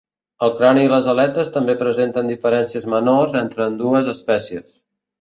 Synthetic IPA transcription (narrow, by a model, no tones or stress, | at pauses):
əlˠkɾaniːləzəlɛt̪əst̪əmbepɾəzent̪ənd̪ifəɾɛnsiəzmənorzent̪ɾəːnd̪uəzəspɛsiəs